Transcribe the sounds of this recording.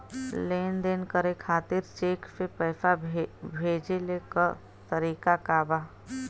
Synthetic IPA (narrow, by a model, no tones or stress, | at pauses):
leːnd̪eːnkəɾekʰaːt̪ɪɾt͡ʃeːkpɪpəːfabʱeːd͡ʒelekəɾ | t̪əɾiːkakaːba